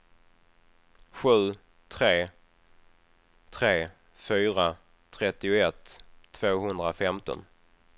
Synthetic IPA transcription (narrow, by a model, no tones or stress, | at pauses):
ɧʉ̟ː | t̪ʰɾeː | t̪ʰɾeː | fyːɾa | t̪ʰɾɛt̪ːɪʊɛt̪ʰːv̥oːɦɵnd̪ɾafɛmt̪ɔ̰n